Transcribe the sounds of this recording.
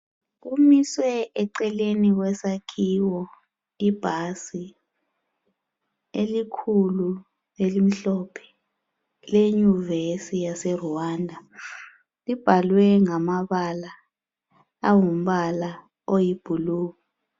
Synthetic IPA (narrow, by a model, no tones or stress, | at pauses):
umiswɛɛǀɛlenik̬wɛsakʰiːwɔ | ib̥ʱasi | elikʰulu | elim̩ɬɔpʰɛ̥ | leɲuvesijasɛruwaːndʱa | lib̥ʱalwɛŋamaβala | wum̩βala | ojib̥ʱuluːka